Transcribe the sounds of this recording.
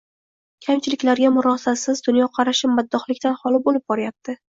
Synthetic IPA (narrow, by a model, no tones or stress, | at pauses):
kʲʰamt͡ʃʰɪlɪkʲlaɾɡʲamʊɾɒsasɪzd̪ʊnjɒqʰɑɾaʃɪpːad̪ːɒχlɪkʲt̪anhɒlˠɪb̚olɪp̚bɒɾajap̚t̪ʰɪ